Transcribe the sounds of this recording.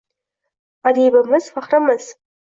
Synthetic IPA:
adijbamɨzfaχramɨz̥

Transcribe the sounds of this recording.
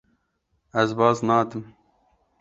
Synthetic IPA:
æzbɑːznɑːd̪ɨm

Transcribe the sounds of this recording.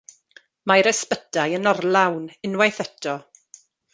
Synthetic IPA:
majɾɛspədajənɔrlawnɪnwajθɛtʰɔ

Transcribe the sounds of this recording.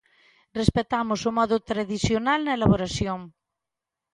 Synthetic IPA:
respet̪amosomɔðot̪ɾaðisjonalnɐelaβoɾasjoŋ

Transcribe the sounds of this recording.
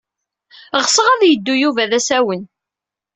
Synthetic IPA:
ʁsəʁæðjəd̪ːujuvæðæsæwən

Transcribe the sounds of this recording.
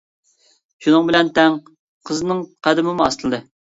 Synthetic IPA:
ʃunɨŋbɪlɛnt̪ʰɛŋ | qʰəznɨŋqʰæd̪ɪmɪmuɑ̰st̪ɨlˠɨd̪ɨ

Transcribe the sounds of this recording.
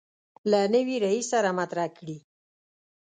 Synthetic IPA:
lanəwiɾaisaɾamat̪ɾahkɽi

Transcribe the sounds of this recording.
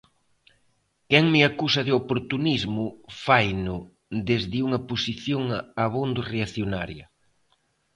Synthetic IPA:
kɛŋmɪakusɐðeopoɾt̪unizmʊfajnʊ | d̪ezðɪuŋɐposiθjoŋaβond̪oreaθjonaɾjɐ

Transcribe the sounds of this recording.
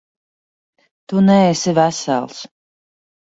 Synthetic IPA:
t̪unɛesivæsæ̰lˠs

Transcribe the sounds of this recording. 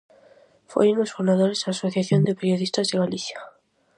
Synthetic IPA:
fwḛjunosfund̪aðoɾezasoθjaθjond̪epeɾjo̞ðist̪azðeɣaliθja

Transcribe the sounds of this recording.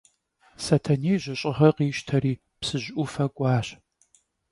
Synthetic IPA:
sɐtʰɐneːʑʷɐɕʼɪʁɐqiːʃtʰɐɾiː | psɨʑʔʊfɐkʷʼɑːɕ

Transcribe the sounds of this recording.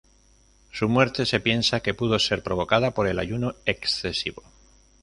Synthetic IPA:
sumwe̞ɾt̪e̞se̞pje̞nsake̞puð̞o̞se̞ɾpɾo̞β̞o̞kað̞apo̞ɾe̞laʝunoe̞ksθe̞siβo̞

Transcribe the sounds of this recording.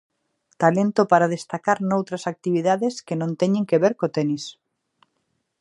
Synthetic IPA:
t̪alent̪opaɾaðest̪akaɾnowt̪ɾasak̚t̪iβiðaðeskenõnt̪eɲẽŋkeβeɾkot̪enis

